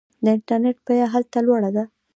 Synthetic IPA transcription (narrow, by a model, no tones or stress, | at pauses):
d̪əɪɳʈaɾneʈ̚pajaɦalt̪alwaɽad̪a